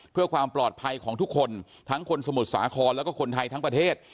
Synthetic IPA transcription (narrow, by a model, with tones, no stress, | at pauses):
pʰɯ˥˩əkwaː˧mplɔː˨˩t̪̚pʰa˧jkʰɔː˩˦ŋt̪ʰu˦˥kʰːo˧n | t̪ʰa˦˥ŋkʰo˧nsa˧mu˨˩t̪̚saː˩˦kʰɔː˧nlɛ˦˥kɔː˥˩kʰo˧nt̪ʰa˧jt̪ʰa˦˥ŋpɾa˧t̪ʰeː˥˩t̪̚